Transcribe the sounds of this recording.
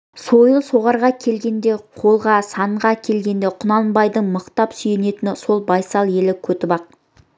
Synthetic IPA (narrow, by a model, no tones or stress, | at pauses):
so̞jəlˠso̞ʁɑɾʁɑkʲʰe̞lɡʲe̞nd̪e̞qʰo̞lˠʁɑsɑɴʁɑkʲʰe̞lɡʲe̞nd̪e̞qʰʊnɑlˠnbɑjd̪əɴməqt̪ɑpsʏjene̞t̪ɪnso̞lˠbɑjsɑlˠje̞lɪkʲʰɵt̪ɪbɑq̚